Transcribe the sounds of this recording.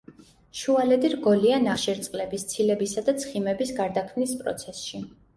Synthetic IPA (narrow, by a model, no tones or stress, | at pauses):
ʃualɛd̪iɾɡɔlianaχʃɛɾt̪sʼqʼlɛbist̪sʰilɛbisad̪at̪sʰχimɛbisɡaɾd̪akʰmnispʼɾɔ̰t̪sʰɛsʃi